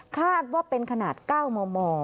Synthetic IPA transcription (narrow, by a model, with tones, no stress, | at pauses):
kʰaː˥˩t̪̚waː˥˩pe˧nkʰa˧naː˨˩t̪̚kaː˥˩wmoː˧mɔː˧